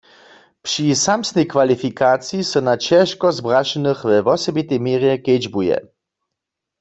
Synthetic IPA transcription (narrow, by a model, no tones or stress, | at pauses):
pʂisamsnɛjkvalifikat͡sjisɛnat͡ʃɛʃkɔzbʁaʃɛnɨxvɛvɔsɔbit̪ɛjmiːʁjɛked͡ʒbujɛ̰